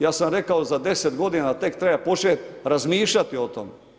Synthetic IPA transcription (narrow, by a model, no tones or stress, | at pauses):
jaːsamɾekaozad̪eset̪ɡo̞d̪inat̪e̞kt̪ɾebapot͡ʃet̪ɾazmiːʃʎat̪iot̪o̰me